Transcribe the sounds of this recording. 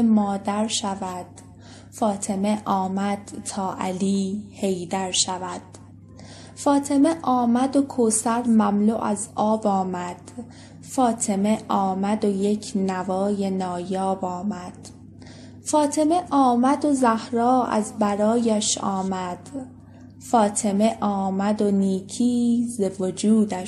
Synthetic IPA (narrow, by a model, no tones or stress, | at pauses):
mɒːd̪æɾʃævæd̪̥ | fɒːt̪ʰe̞meʔɒːmæd̪̥t̪ʰɒːʔæ̰liːhe̞jd̪æɾʃævæd̪̥ | fɒːt̪ʰe̞meʔɒːmæd̪okʰosæɾmæmlṵːʔæzɒːbɒːmæd̪̥ | fɒːt̪ʰe̞meʔɒːmæd̪ojecʰnævɒːje̞nɒːjɒːbɒːmæd̪̥ | fɒːt̪ʰe̞me̞ʔɒːmæd̪ozæhɾɒːæ̰zbæɾɒːjæʃɒːmæd̪̥ | fɒːt̪ʰe̞me̞ʔɒːmæd̪o̞niːcʰiːzevod͡ʒuːd̪æʃ